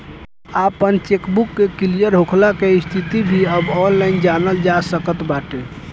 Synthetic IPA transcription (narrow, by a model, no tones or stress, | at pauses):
apənt͡ʃekbukːekilijəɾɦokʰlakeist̪ʰit̪ibʱiəbɔnlaɪnd͡ʒanəld͡ʒasəkət̪baʈe